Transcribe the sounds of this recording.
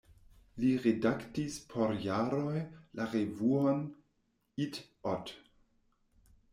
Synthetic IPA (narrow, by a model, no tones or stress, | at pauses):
liʁedaktispʰoɾjaɾojlaʁevuon | it | ɔt